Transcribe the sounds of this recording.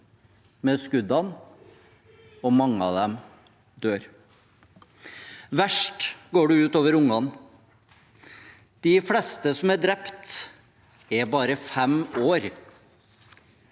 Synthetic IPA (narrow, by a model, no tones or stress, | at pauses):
mɛːskʉd̪ɑn | ɔmɑŋːəɑ̰ːd̪ɛm | d̪øːɾ | ʋæʂʈɡoːɖʉʉːt̪oːʋəɾʊŋɑn | d̪̥ɪflɛst̪əsɔmæɖ̪ɾɛpt̪ | ɛbɑːɾəfɛmoːɾ